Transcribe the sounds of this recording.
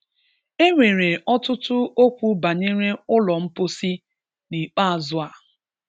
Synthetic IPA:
e˦ŋʷe˨ɾe˨ɔ˦tʊ˦tʊ˦o˦kʷu˦ba˨ɲe˦ɾe˦ʊ˦lɔ˨m̩˦pʊ˦si˦ | ni˨k͡pa˦a˨zʊ˦a˨

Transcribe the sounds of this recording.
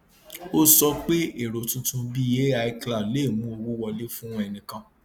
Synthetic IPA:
o˦sɔ˧k͡pe˦e˦˨ɾo˨tũ˧˦tũ˧bi˦je˦a˧i˧kla˨le˨˦˨mũ˦o˧wo˦wɔ˧le˦fũ˦w̃ɔ̃˦ɛ˧nĩ˧kã˧

